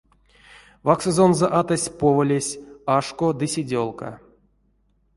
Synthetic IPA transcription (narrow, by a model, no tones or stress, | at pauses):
vaksozonzoʔat̪asʲpovəlʲesʲaʂkod̪ɨsʲidʲolˠka̰